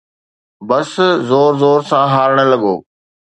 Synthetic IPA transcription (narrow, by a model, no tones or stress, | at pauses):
bɐszoːɾzoːɾsãɦaːɾɪɽ̃ə̆lɐɠo̰ː